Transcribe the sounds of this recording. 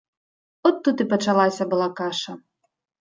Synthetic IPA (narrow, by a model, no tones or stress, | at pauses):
ɔt̪ːut̪ɨpɐt͡ʂalˠasʲɐbɨlˠakaʂɐ